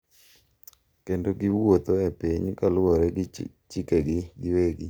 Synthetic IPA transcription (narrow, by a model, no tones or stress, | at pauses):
kendoɡiwot̪oɛpiɲkalɔɾɛɡ | t͡ʃikeɡiɡɪweɡi